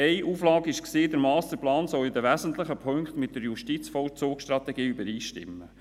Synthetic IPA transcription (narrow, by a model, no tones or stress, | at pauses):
ɛɪʔuːflɑːɡɪʃksiːd̪əɾmɑːst̪əplɑːnsɔlɪd̪əʋæzənt̪lɪχəpʰøŋkχt̪mɪtdəɾjuʃtit͡sfɔlt͡sʊːkʃt̪ɾɑt̪ɛɡiːybəɾiːʃtɪ̰mːə